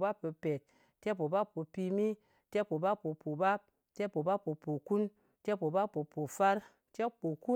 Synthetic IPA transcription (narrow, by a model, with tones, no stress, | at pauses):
ba˦pə˨˧pe˨t̚ | te˦po˨ba˦pːo˨pi˧mi˦ | te˦po˨ba˦pːo˨po˨ba˦p̚ | te˦po˨ba˦pːo˨po˨ku˦n | te˦po˨ba˦pːo˨po˨fa˦ɾ | te˦po˨ku˦